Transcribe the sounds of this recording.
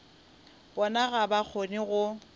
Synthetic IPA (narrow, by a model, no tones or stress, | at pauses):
bɔnaɣabak͡xʰonɪɣʊ